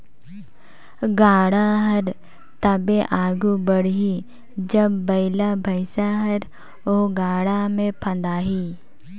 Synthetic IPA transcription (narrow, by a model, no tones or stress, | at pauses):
ɡaːɽaɦɐɾ | t̪abeʔaːɡubəɽ̤ɦi | d͡ʒɐbːɐɪlabʱɐɪsaɦəɾ | oːɡaːɽamẽpʰə̃nd̪aːɦiː